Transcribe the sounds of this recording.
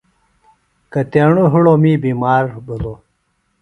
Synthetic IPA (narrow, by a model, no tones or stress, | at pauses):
kɐt̪eːɳuɦuɽomiːbiːmaːɾbulo